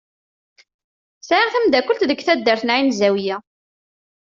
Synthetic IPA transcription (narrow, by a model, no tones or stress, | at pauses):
sʕiʁθæmd̪ækʷːəlt̪ðəɡθæd̪ːəɾθnʕinzæwjæ